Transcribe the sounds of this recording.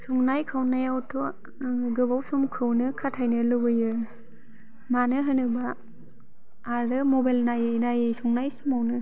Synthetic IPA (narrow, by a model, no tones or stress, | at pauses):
sɔŋnajkʰawnajawtʰɔ | ɡɯbawsumkʰɯwnɯkʰatʰajnɯlubɯjɯ | manɯɦɯnɯba | ɾɯmɔbajlnajɯnajɯsɔŋnajsumawnɯ